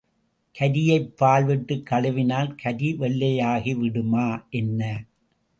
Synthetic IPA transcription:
kʰɐɾɪjɐɪpːaːlʋɪʈːɯkːɐɭɐʋɪnaːlkʰɐðiʋɛɭːɐjaːɣiʋɪɽɯmaːʔɛnːɐ

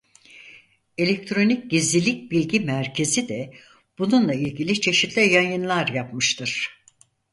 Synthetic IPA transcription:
e̞lʲek̚t̪ʰɾo̞nic̚ɟizlʲilʲic̚bilʲɟimæɾcʰe̞zid̪ɛ | b̥ununlˠailʲɟilʲit͡ʃʰe̞ʃit̪ʰlʲɛjajɯnlˠaɾjapmɯʃt̪ʰɯɾ̥

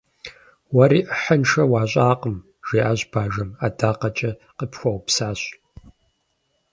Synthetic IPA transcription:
wɐɾiːʔəħənʈ͡ʂɐwaːɕʼaːqəm | ʒ̥eːʔaːʑb̥aːʒɐmaːdaːqɐt͡ʃʼɐqəpxʷɐwpsaːɕ

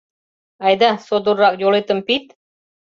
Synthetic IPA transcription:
ɑjd̪ɑsod̪uɾːɑk̚jolˠet̪əmpit̪̚

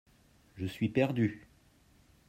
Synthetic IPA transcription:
ʒəsɥipɛʁd̪y

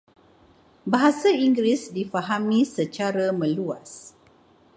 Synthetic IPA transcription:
baɦasaiŋɡɾisdifaɦamĩsət͡ʃaɾamə̃luas

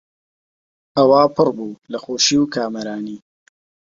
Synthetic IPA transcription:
ɐwaːpʰɨrbuːlɐxoːʃiwkʰaːmɐɾaːniː

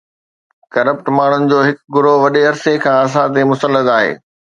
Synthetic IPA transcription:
kɐɾəpʈmaːɳ̤ʊnɪ̆d͡ʑoːɦɪkɡʊɾoʋɐɗeɐɾsekʰãːɐs̬ãt̪̬emʊsəlːət̪aːɦḛː

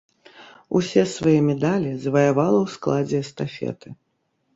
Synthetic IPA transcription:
ṵsʲɛsvajɛmʲɛd̪alʲizvɐjavalˠɐwsklˠad͡zʲɛːst̪afʲɛ̰t̪ɨ

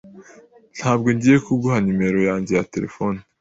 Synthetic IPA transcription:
n̥haːbɡo̞ɲɟije̞kuɡuɦaɲume̞ɾo̞jaːɲɟe̞jate̞ɾe̞̰fo̞ːni

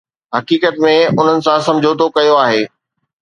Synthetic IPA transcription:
ɦɐkiːkət̪mẽʊn̤ənɪ̆sãsɐ̃md͡ʑʱot̪okɐjoaːɦeː

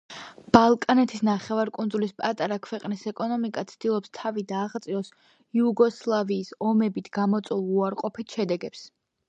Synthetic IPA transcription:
b̥alˠkʼanɛt̪ʰisnaχɛvaɾkʼund̪zulispʼat̪ʼaɾakʰwɛqʼnisɛkʼɔnɔmikʼat̪sʰd̪̥ilˠɔpst̪ʰavid̪aːʁt̪sʼiɔs | iuɡɔslˠaviːsɔmɛbit̪ʰɡ̥amɔt̪sʼulˠuaɾqʼɔpʰit̪ʰʃɛd̪ɛɡɛps

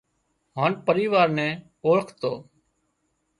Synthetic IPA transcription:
ɦaːnpəɾiːʋaːɾnɛ̃ː | oːɭəkʰt̪oː

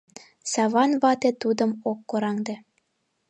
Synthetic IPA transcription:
sɑβɑnβɑt̪et̪ud̪ɤ̆mokːoɾɑŋd̪ĕ

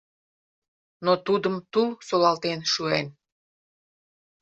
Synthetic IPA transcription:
not̪ud̪əmt̪ulsolɑlt̪enʃuen

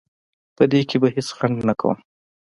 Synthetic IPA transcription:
pəd̪ekebaɦesxaɳd̪nakʰa̰wṵm

